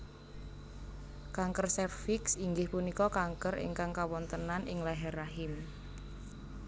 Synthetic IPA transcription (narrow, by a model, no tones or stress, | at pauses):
kaŋkərsɛrfɪksiŋɡɪhpunikɔkaŋkəɾɪ̰ŋkaŋkawɔnt̪ənanɪ̰ŋlaɦɛraɦɪm